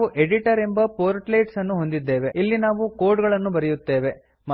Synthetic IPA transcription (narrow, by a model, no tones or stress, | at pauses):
uʔeɖiʈɐɾe̞mbɐpoːɾʈlɐjʈsɐnːuɦo̞nd̪id̪ːe̞ːʋe̞ʔilːinaːʋukoːɾɖɡɐɭɐnːubɐɾɛjut̪ːe̞ːʋe̞ | m